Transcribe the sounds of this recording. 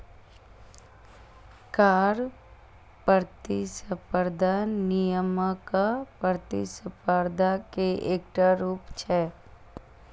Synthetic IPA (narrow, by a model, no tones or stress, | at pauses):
kaːɾ | pəɾt̪isəpəɾd̪ʱanijəməkapəɾt̪isəpəɾd̪ʱakeʔeːkʈaɾuːpt͡ʃʰɛː